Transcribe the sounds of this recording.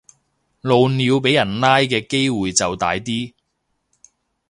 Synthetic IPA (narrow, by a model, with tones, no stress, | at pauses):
lo˨˧wniː˨˧wpe˨˥jɐ˨˩nlaː˥jkɛː˧ke˥jwuː˨jt͡sɐ˨wt̪a̰ː˨jt̪̬iː˥